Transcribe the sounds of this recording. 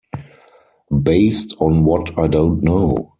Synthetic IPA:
beɪstʰɔ̃nwɔtʰaɪdõʊ̃ntnoʊ

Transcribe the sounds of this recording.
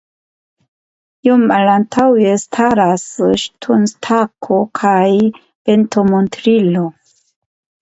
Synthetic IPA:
jumalantʰawjestʰaɾasʃtʰunstʰakʰokʰaj | pentʰomontɾilo

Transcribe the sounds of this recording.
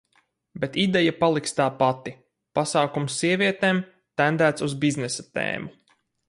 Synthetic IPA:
bet̪id̪ɛjapalˠikst̪aːpat̪i | pasaːkumsːiɛviɛt̪eːm | t̪ænd̪æːt̪suzbiznɛsat̪ḛːmu

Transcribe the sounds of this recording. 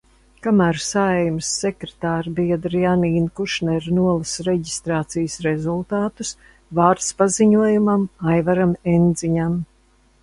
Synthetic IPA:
kamæːɾsajmsːekɾet̪aːɾbiɛd̪ɾianiːnkuʃnɛɾnuɔlˠasɾeɟist̪ɾaːt̪sijsɾezulˠt̪aːt̪us | vaːɾt̪spaziɲuɔjumamajvaɾamend̪ziɲam

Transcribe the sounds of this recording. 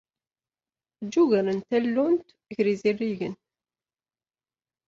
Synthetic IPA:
d͡ʒːuʝæɾənt̪ælːunt̪ | ʝɾizirːiʝən

